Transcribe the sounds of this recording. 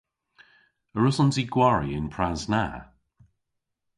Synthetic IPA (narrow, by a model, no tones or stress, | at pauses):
əɹʊsɔnziɡwaɹḭɪnpʰɹazna̰